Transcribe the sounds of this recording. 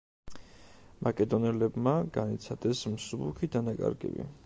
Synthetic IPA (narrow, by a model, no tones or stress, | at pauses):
makʼɛd̪ɔnɛlɛbmaɡanit̪sʰad̪̥ɛsmsubukʰid̪anakʼa̰ɾɡɛ̰bḭ